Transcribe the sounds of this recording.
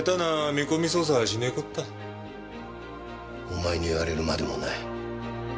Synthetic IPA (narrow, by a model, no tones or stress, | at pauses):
t̪anamʲikomʲis̬oːs̬aɕinekɯt̪ːa | omaeɲʲiːβaɾe̞ɾɯ̟mad̪emo̰na̰i